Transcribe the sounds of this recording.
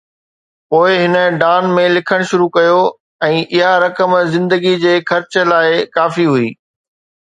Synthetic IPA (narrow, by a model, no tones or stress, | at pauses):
poːɪɦɪnə̆ɖaːnmẽlɪkʰəɽ̃ʃʊɾukɐjo | ɛ̃ːʔɪɦaɾɐkəmzɪ̃nd̪əɡid͡ʑeːxɐɾt͡ɕəlaːɪkaːfiɦuiː